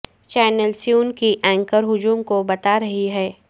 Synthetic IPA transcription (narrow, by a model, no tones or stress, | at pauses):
t͡ʃɛːnəlsjuːnkiʔɛ̃ːŋkəɾɦʊd͡ʒuːmkobɐt̪aɾɐɦiɦɛː